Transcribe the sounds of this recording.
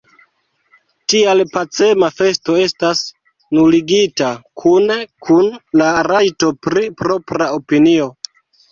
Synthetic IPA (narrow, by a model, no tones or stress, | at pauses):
tialpat͡se̞mafe̞sto̞e̞stas | nuliɡitakʰunkʰunlaɾajto̞pɾipɾo̞pɾao̞pinio̞